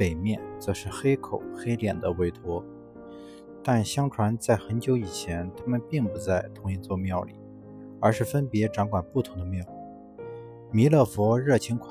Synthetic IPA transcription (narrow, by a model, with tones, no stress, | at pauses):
pe˨˩ɪmjɛ˥˩nt͡sɤ˧˥ʂɻ̩˥˩xe˥ɪkʰo˨˩˦ʊxe˥ɪljɛ˨˩nd̪ə˦we˥ɪt̪ʰwɔ˥ | t̪a˥˩nɕjɑ˥ŋʈ͡ʂʰwa˧˥nt͡sa˥˩ɪxə˧˥nt͡ɕjo˧˥ʊi˨˩t͡ɕʰjɛ˧˥nt̪ʰa˥mə˨npi˥˩ŋpu˧˥t͡sa˥˩ɪt̪ʰʊ˧˥ŋi˧˥nt͡swɔ˥˧mjɑ˥˩ʊlḭ˨˩˦ | ə˞˧˥ʂɻ̩˥˩fə˥npjɛ˧˥ʈ͡ʂɑ˧˥ŋkwa˨˩npu˥˩t̪ʰʊ˧˥ŋd̪ə˧mjɛ˥˩lu˥ | mi˧˥lɤ˥˩fwɔ˧˥ɻɤ˥˩t͡ɕʰi˧˥ŋkʰ